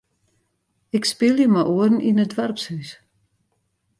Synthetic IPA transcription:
ɪkspɪlˠjəmaʔoərn̩inədʋarpshys

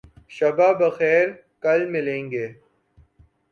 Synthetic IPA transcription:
ʃɐbaːbɐxɛːɾ | kɐlmɪlẽːŋɡeː

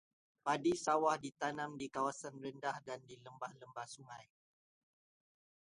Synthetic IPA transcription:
padisawahdit̪anãmdikawasanrəndahdandiləmbahləmbahsuŋãj

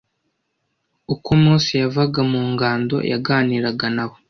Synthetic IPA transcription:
ukomuːnsijavaɡamuːŋɡaːndo̰jʔa̰ɡaːniːɾaɡanaβo

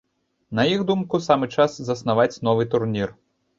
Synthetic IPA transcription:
nɐjixd̪umkusamɨt͡ʂaszɐsnavat͡sʲnɔvɨt̪urnʲir

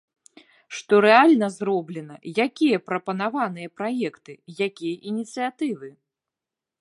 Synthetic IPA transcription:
ʂt̪ɔɾɛalʲnɐzɾɔblʲɛn̪ɐjakʲijɐpɾɐpɐnavan̪ɨjɐpɾajɛkt̪ɨjakʲijɐʔinʲit̪sɨjat̪ɨvɨ

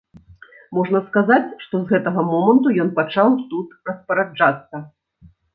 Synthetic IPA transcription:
mɔʐnɐskazat͡sʲʂt̪ɔzɣɛt̪ɐɣɐmɔmɐnt̪ujɔnpat͡ʂawt̪ut̪rɐspɐɾad͡ʐat̪sːɐ

